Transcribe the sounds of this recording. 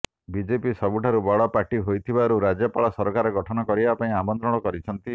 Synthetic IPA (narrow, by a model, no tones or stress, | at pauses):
bid͡ʒepisɔbuʈʰaɾubɔɽɔpaɾʈiɦojt̪ʰibaɾuɾad͡ʒjɔpaɭɔsɔɾɔkaɾɔɡɔʈʰɔnɔkɔɾibapaĩamɔnt̪ɾɔɽ̃ɔkɔɾit͡ʃʰɔnt̪i